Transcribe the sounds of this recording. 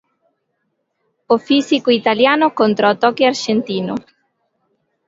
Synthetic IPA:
ofisikoit̪aljaːnʊkont̪ɾat̪ɔkiaɾʃent̪iːnʊ

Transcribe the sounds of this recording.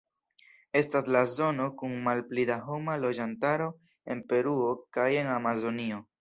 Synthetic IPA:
e̞staslazo̞no̞kunmalplidaɦo̞malo̞d͡ʒantaɾo̞ | e̞npe̞ɾuo̞kaje̞ŋamazo̞nio̞

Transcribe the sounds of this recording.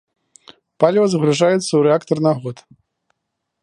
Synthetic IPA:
palʲvɐzɐɣɾuʐajut̪sːɐwɾɛakt̪ɐrnaɣɔt̪

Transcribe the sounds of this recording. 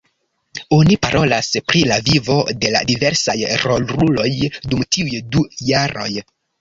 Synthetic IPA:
onipaɾʔo̞laspɾilavivo̞de̞la̰dive̞ɾsajɾo̞lɾulo̞jdumtiujdujaɾo̞j

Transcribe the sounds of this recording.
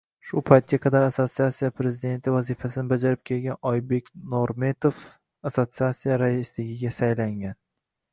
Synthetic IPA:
ʃʊpʰajt̪̚ɡʲaqʰɑd̪aɾaso̞t̪siat̪sijapʰɾe̞zɪd̪e̞nt̪ʰɪvazifasɪnɪbad͡ʒaɾɪp̚kʲʰe̞lɡʲanɒjbe̞kʲnoɾme̞t̪of | asot̪siat̪sijaɾaɪslɪɡʲɪɡʲasajlaŋɡʲan

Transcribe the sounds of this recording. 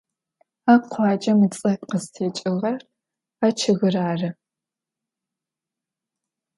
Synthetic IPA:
aqʷɑːd͡ʒʼɐmɨt͡sʼɐqəztʰeːt͡ʃʼɪʁɐr | aːt͡ʃʰɐɣɨraːrɨ

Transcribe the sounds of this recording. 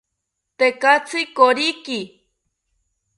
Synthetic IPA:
t̪ekat͡sʰɨkoɾiki

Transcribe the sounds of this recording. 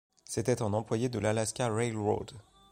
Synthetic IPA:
set̪ɛt̪ɑ̃nɑ̃plwajed̪əlalaskʲaʁɛlʁo̰d̪

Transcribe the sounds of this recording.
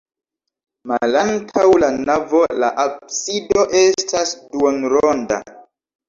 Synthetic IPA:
malantʰawlanavo̞la̰ʔab̚sido̞ʔe̞stʰasduonɾonda̰

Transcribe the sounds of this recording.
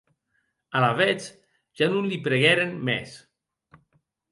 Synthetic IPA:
alaβɛt͡s | ʒ̥anunlipɾeɣɛɾenmɛ̰s

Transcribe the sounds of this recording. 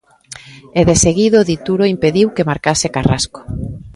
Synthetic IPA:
eðeseɣiðoðit̪uɾoimpeðiwkemaɾkasekara̰sko̥

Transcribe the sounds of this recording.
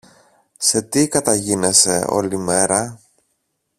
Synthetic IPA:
se̞t̪ikɐt̪ɐʝinese̞o̞̰lime̞ɾɐ

